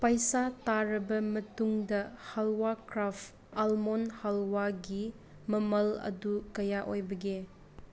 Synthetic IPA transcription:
pɐjsataɾɐbɐmɐtuŋdɐhalwakɾap | almonhalwaɡi | mɐmɐlɐ̰dukɐjaʔojbɐɡe

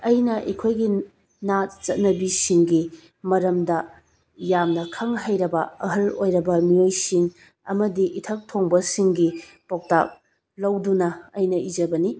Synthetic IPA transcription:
ɐjnɐʔɐ̰kʰojɡi | nat̚t͡ʃɐt̚nɐbisiŋɡi | mɐɾɐmdɐ | jamnɐkʰɐŋɦɐjɾɐbɐɐɦɐlojɾɐbɐmiojsiŋ | ɐ̰mɐdiʔitʰɐk̚tʰoŋbɐsiŋɡipok̚ta̰k̚ | lɐwdunɐɐjnɐʔid͡ʒɐbɐni

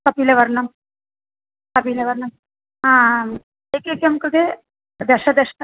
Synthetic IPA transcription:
kɐpiːleʋɐɾɳɐm | kɐpiːleʋɐɾɳɐm | ɦãː | ekekɐmkɾɨd̪e | d̪ɛʂɐd̪eʂnɐ

